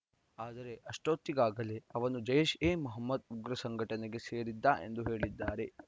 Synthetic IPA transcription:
aːd̪ɐɾe̞ʔɐʂʈoːt̪ːiɡaːɡɐleɐʋɐnud͡ʒɐjeʃeːmuɦɐmːɐd̪uɡɾɐsɐŋɡʱɐʈɐneɡe̞seːɾid̪ːaːʔe̞̰nd̪uɦe̞ːɭid̪ːaːɾe̞

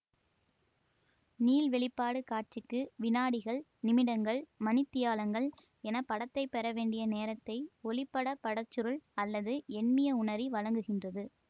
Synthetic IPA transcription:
niːlʋɛɭɪpːaːɽɯkaːʈ̚t͡ʃɪkːɯʋɪnaːɽɪɣɐɭ | nɪmɪɽɐŋɡɐɭmɐnɪt̪ːɪjaːlɐŋɡɐɭ | ɛnɐpːɐɽɐt̪ːɐɪpːɛɾɐʋeːɳɖɪjɐneːɾɐt̪ːɐɪɔlɪpːɐɽɐpɐɽɐt͡ʃːɯɾɯɭɐlːɐðɯɛnmɪjɐʊɳɐɾiʋɐɻɐŋɡɯɣɪndrɐðɯ

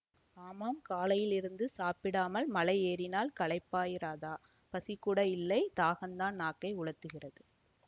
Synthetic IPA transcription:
aːmaːmkaːlɐjɪlɪɾɯnd̪ɯsaːpɪɽaːmɐlmɐlɐɪeːɾɪnaːlkɐɭɐɪpːaːjɪɾaːðaː | pɐsɪkːʊɽɐjɪlːɐɪt̪aːɣɐnd̪aːnnːaːkːɐɪʊɻɐt̪ːɯɣɪrɐðɯ

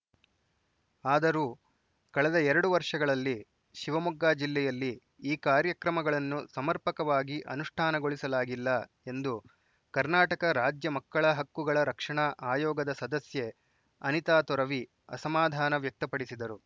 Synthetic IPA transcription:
aːd̪ɐɾuː | kɐɭɛd̪ɐɛɾɐɽuʋɐɾʂɐɡɐɭɐlːi | ʃiʋɐmuɡːaːd͡ʒilːɛjɐlːi | iːkaːɾjɐkɾɐmɐɡɐɭɐnːusɐmɐɾpɐkɐʋaːɡiʔɐ̰nuʂʈʰaːnɐɡoɭisɐlaːɡilːɐ | e̞nd̪u | kɐɾnaːʈɐkɐɾaːd͡ʒjɐmɐkːɐɭɐɦɐkːuɡɐɭɐɾɐkʂɐɳɐʔaːjɔːɡɐd̪ɐsɐd̪ɐsje | ɐnit̪aːt̪ɔɾɐʋi | ɐ̰sɐmaːd̪ʱaːnɐʋjɐk̚t̪ɐpɐɽisid̪ɐɾu

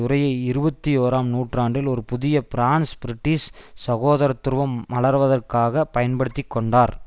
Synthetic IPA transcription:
ʊɾɐjɐɪɪɾɯbɐt̪ːioːɾaːmnuːʈraːɳɖɪlɔɾɯpʊðɪjɐpɪɾaːnspɪɾɪʈːiːssɐɣoːðɐɾɐt̪ːɯɾʋɐmɐlɐɾʋɐðɐrkaːɣɐpɐjɐnpɐɽɯt̪ːɪkːɔɳɖaːɾ

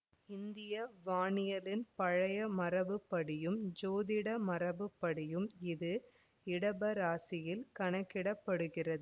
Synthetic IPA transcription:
ɪnd̪ɪjɐʋaːɳɪjɐlɪnpɐɻɐjɐmɐrɐʋɯpːɐɽɪjɯmd͡ʒoːðɪɽɐmɐrɐʋɯpːɐɽɪjɯmɪðɯ | ɪɽɐbɐɾaːsɪjɪlkɐɳɐkːɪɽɐpːɐɽɯɣɪrɐðɯ

